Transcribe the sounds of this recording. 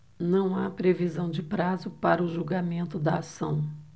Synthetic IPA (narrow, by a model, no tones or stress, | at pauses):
nɐ̃w̃apɾevizɐ̃w̃d͡ʒɪpɾazʊpaɾɐʊʒuɡamẽnt̪ʊd̪ɐasɐ̰̃w̃